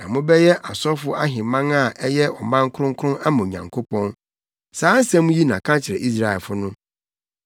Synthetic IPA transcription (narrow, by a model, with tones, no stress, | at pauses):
nã̰˨mʊ̃˦bɛ˦jɛ˦ʔa˨sɔ˦fʊ˦a˦ɦɪ̃˨mã˦ŋa˦˨ʔɛ˦jɛ˦ɔ˨mã˦ŋ˦kʰʊ˦ɾʊ̃˦ŋkʰʊ˦ʊ̃˦na˦mʊ̃˨ɲã̰˨ŋkʰo˦pʰɔ̃˦n | saː˨˦n̩˦sɛ̃˦mũ˦ji˦nã̰˨kʰã˦t͡ɕʰɪ˨ɾɛ̰˨ʔi˦s̬ɾa˦˨ɛ˨lfʊ˦nʊ̃˦